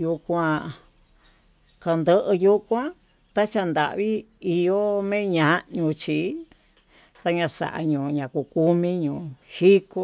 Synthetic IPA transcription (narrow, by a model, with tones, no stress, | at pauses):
ju˧kʷã˧ | ka˧nd̪ə˧ʔə˧ju˦˧kʷã˦ | t̪a˦t͡ʃa˧nd̪a̰˨ʔβi˦i˧jo˦mẽ˦ɲã˧ɲũ˧t͡ʃi˨ | t̪a˧ɲã˧sa̰˨ʔa̰˧ɲũː˨ɲã˨ku˧˨ku˦mĩ˦ɲũː˨hi˦ko˦